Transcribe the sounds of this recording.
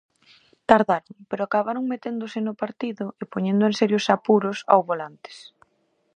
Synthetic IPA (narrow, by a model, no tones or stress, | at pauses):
t̪aɾðaɾʊŋpeɾʊakaβaɾʊŋmet̪end̪ʊsɪnʊpaɾt̪iðʊʔɪpoɲẽnd̪ʊensɛɾjosapuɾʊsa̰wβolant̪e̥s